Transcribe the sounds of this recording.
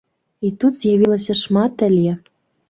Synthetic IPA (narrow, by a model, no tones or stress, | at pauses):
it̪ut̪z̥jɑβʲilˠɤ̆sɤ̆ʂmɑt̪ɘ̆lʲe